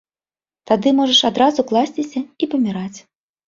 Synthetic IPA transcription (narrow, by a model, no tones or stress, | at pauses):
t̪ad̪ɨmɔʐɐʂad̪ɾazuklˠasʲt͡sʲisʲɐipɐmʲiɾat͡sʲ